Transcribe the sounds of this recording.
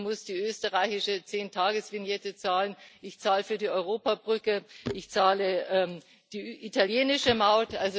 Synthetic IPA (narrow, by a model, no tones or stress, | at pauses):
mʊsd̥iːʔøːstəʁaɪçɪʃət͡seːntʰaːɡəsv̥ɪnjɛtət͡saːlənʔɪçt͡saːləfyːɐdiːɔʏʁ̞oːpabʁʏkəʔɪçt͡saːləʔɛː | d̥iːʔitaljeːnɪʃəmaʊtʔalzo